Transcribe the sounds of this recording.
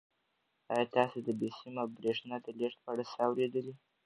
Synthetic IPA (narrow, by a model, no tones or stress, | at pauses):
ɑjɑt̪ɑsed̪əbesimabɾeʂnɑd̪əleʂ̚pəaɽasəawɾed̪əli